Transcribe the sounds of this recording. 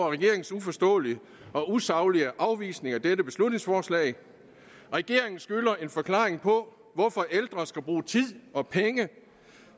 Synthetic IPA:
ɐʁɛɡ̥e̝ɐe̝ŋn̩sufɒ̽sd̥ɔ̰̽ːliə | ɒ̽ʔusɑ̈ʊliəʔɑ̈ʊʋḭːsne̝ŋæd̥edəb̥e̝slud̥ⁿne̝ŋsfɒːslɛ̰ɪ | ʁɛɡ̥e̝ɐ̰e̝ŋn̩sɡ̥ylɐe̝nfɒ̽kʰlɑ̰̈ːʁeŋpʰɒ̽ | ʋɒfɒ̽ʔeld̥ʁɐsɡ̥æb̥ʁuːt͡sʰið̰ˠɒ̽pʰeŋə

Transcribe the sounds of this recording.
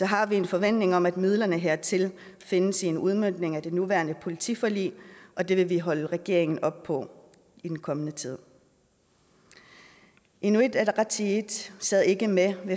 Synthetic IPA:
sɒ̽ɦɑ̈ʋie̝nfɒ̽ʋen̰d̥ne̝ŋɒ̽mæd̥mið̞ˠlɐnəɦeɐ̰t͡sʰe̝l | fe̝nəsinuð̞ˠmøn̰d̥ne̝ŋæd̥e̝nuʋæːɐnəpʰo̝lit͡sʰḭfɒlḭːʔɒ̽d̥e̝ʋe̝ʋiɦɒ̽ləʁɛɡ̥e̝ɐe̝ŋn̩ɒ̽b̥̚pʰɒ̽ | id̥enkʰɒ̽mənət͡sʰið̞̰ˠ | ʔenue̝d̥ædʁɑt͡sʰid̥sɛð̰ˠe̝ɡ̥əmeʋe̝

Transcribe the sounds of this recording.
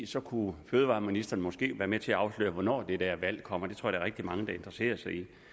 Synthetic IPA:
sɒ̽kʰuføːðˠʋɑ̈ːminisd̥ɐn̩mɒ̽sɡ̥e̝̰ːʋæːɐmet͡sʰe̝æɑ̈ʊslø̰ːɐʋɒnɒ̰ːd̥e̝d̥æɐʋæl̰kʰɒ̽m̰ɐd̥e̝t͡sʰo̰d̥ɑɐʁeɡ̥̚d̥imɑ̈ŋəd̥ɑ̈e̝nd̥ʁɐse̝̰ːɐsɑ̈ɪi

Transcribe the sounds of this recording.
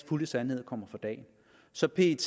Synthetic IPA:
fuləsænhe̝ð̞̰ˠkʰɒ̽m̰ɐfʁɑ̈d̥ɛ̰ːn | sɒ̽pʰe̝ːt͡sʰ

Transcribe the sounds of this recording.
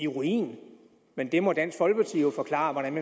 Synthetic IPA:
iʁuḭːn | mend̥e̝mɒ̽d̥æn̰sɡ̥fɒ̽lɡ̥pʰɑ̈t͡sʰḭːjofɒ̽kʰlɑ̰̈ːʋɒɾ̥ænme

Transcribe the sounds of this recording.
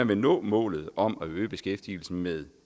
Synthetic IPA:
æʋe̝nɔ̰̽ːmɔ̰̽ːlð̞̩ˠɒ̽mæøːb̥e̝sɡ̥efd̥il̩sn̩með̞ˠ

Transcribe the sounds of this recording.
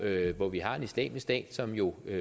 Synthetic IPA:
øʋɒʋiɦɑ̈e̝nislɛ̰ːmisd̥ɛ̰ːd̥sɒ̽mjo̝ø

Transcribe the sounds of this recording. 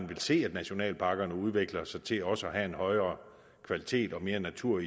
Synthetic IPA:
nʋe̝lse̝̰ːæd̥næɕo̝nɛ̰ːlpʰɑ̈ɡ̥ɐnəuð̞ˠʋe̝ɡ̥lɐsɑ̈ɪt͡sʰe̝ɒ̽səɒɦæe̝nhɒ̽ɪɐː | kʰʋælit͡sʰe̝̰ːd̥ɒ̽me̝ːɐnæt͡sʰuɐ̰i

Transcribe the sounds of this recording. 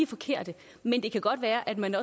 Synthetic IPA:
fɒ̽kʰe̝ɐ̰d̥ə | mend̥e̝kʰæɡ̥ɒ̽d̥ʋæːɐʔæd̥mænɒ̽

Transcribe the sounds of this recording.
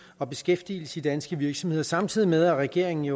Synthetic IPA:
ɒ̽b̥e̝sɡ̥efd̥ḭːl̩sə̥id̥ænsɡ̥əʋiɐɡ̥sɒ̽mhe̝ð̰ˠɐsɑ̈mt͡sʰið̞̰ˠimeð̞ˠæʁɛɡ̥e̝ɐ̰eŋn̩iø

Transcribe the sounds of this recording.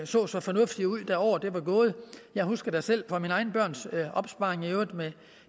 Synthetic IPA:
sɔ̰̽ːsɒ̽fɒ̽nɔ̽fd̥iuð̰ˠd̥æɒʊ̰ɐd̥e̝ʋɑ̈ɡ̥ɔːð̞̩ˠəjɑ̈ɪhusɡ̥ɐd̥æsel̰fʁɒminəɑ̈ɪn̩əb̥ɶɐ̰nsʔɒ̽b̥sb̥ɑ̈eŋeʊme

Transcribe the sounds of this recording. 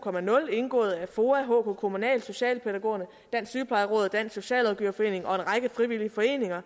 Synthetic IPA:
kʰɒ̽mænɔ̽le̝nɡ̥ɔ̰̽ːð̞̩ˠæfo̝ːæɦɔ̰ːkʰokʰo̝munɛ̰ːld̥so̝ɕɛ̰ːlpʰedæɡ̥o̝̰ːɐnə | d̥æn̰syːpʰlɑ̈ɪʁɔ̽ːð̩ˠd̥æn̰so̝ɕɛ̰ːlɑðʊɡ̥y̰ːɐfɒ̽e̝̰ːne̝ŋɒ̽e̝nʁɑ̈ɡ̥əfʁiʋiliəfɒ̽e̝̰ːne̝ŋɐ

